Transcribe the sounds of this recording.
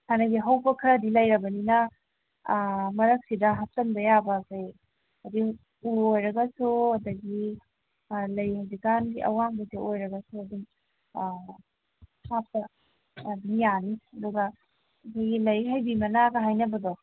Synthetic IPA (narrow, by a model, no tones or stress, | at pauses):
hanɐɡiɦawbɐkʰɐɾɐdilɐjɾɐbɐninɐ | mɐɾɐk̚sidɐɦatɐnbɐjabɐkʰaj | ɐdi | uojɾɐɡɐsuɐdɐɡi | lɐjdikanɡiʔɐ̰waŋbɐdeʔojɾɐɡɐsuɐdi | sap̚tɐ | mijaniɐdɔɡɐ | ɐkʰajɡilɐjɦajbimɐnaɡɐɦajnɐbɐdo